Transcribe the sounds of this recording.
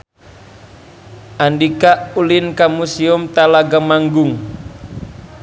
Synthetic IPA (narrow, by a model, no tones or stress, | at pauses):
ʔandikaʔulɪnkamusiumt̪alaɡamaŋɡʊŋ